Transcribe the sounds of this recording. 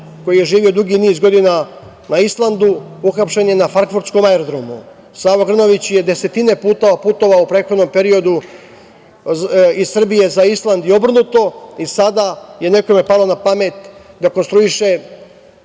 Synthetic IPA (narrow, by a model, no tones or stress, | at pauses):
ko̞jijeʒiːʋio̞d̪uɡiniːzɡo̞d̪ina | naislˠand̪uuxapʃe̞njenafaɾkfuɾt̪sko̞maeɾod̪ɾomṵ | saːʋoɡr̩no̞ʋit͡ɕje̞d̪e̞se̞t̪ine̞puːt̪o̞ʋapuːt̪o̞ʋaupɾeːxod̪no̞mpe̞ɾio̞d̪u | izsr̩bije̞zaislˠand̪jio̞br̩nut̪o̞isad̪aje̞ne̞kome̞palˠonapame̞t̪ | d̪ako̞nst̪ɾuiʃe